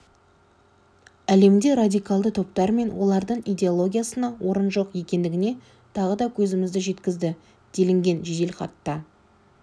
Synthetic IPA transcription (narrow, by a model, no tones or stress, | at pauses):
æle̞md̪e̞ɾad̪ijkɑlˠd̪ət̪ʰo̞pt̪ɑɾme̞nwʔo̞lˠɑɾd̪əɴijd̪e̞olˠo̞ɡʲijasənɑwo̞ɾənʒo̞qje̞kʲe̞nd̪ɪɡʲɪne̞ | t̪ʰɑʁəd̪ɑkʲʰɵzɪmɪzd̪ɪʒe̞t̪kʲɪzd̪ɪ | d̪̥e̞lɪŋɡʲe̞nʒed̪elχɑ̰t̪ːə